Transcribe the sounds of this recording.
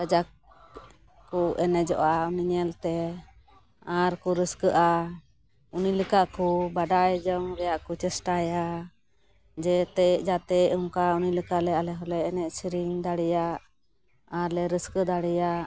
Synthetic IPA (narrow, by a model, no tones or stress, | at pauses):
əd͡ʒak | kɔʔɛnɛd͡ʒɔ̰ʔauniɲɛlt̪ɛ | aɾkɔɾəskəʔa | uniləkaʔkɔbaɖajd͡ʒɔŋɾɛjaʔkɔt͡ʃɛsʈaja | d͡ʒɛt̪ɛʔd͡ʒat̪ɛuŋkauniləkalɛalɛɦɔlɛnɛʔsiɾiŋd̪aɽɛjaʔ | aɾlɛɾəskəd̪aɽɛja